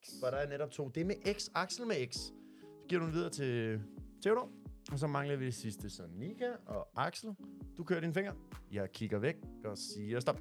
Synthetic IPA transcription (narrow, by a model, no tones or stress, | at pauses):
ɒɾ̥ɑ̈æɐneɾɒ̽b̥̚t͡sʰo̝̰ːd̥e̝meʔeɡ̥sɑ̈ɡ̥sl̩meeɡ̥s | sɒ̥̽ɡ̥ḭɐɾuenʋiðˠɐːt͡sʰe̝t͡sʰeʊɾɒ̰ɒ̽s̬ɒ̽mɑ̈ŋlɐʋid̥e̝sisd̥əsɒ̽nikʰæɒ̽ʔɑ̈ɡ̥sl̩d̥ukʰøːɐɾ̥infe̝ŋ̰ɐjɑ̈ɪkʰiɡ̥ɐʋeɡ̥̚ɒ̽siːɐsd̥ɒ̽b̥̚